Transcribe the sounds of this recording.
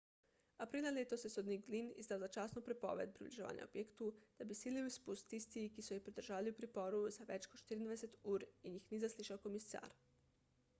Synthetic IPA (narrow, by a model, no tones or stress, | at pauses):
apɾiːlalet̪osesod̪niɡlinḭzd̪aːwzat͡ʃaːsnupɾepo̰ʋed̪̚pɾḭbliʒa̰ːʋa̰ːɲʔa̰o̰b̥jeːkt̪ud̪̥abisiːliuispust̪ːist̪ikisojixpɾid̪əɾ̩rʒaːʋaliupɾipoɾuzaʋɛt͡ʃkoʃt̪iɾid̪ʋeset̪uːɾinjixnizasliʃawkomisa̰ːɾ